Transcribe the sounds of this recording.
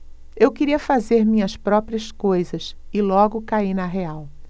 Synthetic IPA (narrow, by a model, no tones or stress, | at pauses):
ewkɪɾiɐfazeɾmĩɲɐspɾɔpɾiɐskojzɐsɪlɔɡʊkainɐɦeaw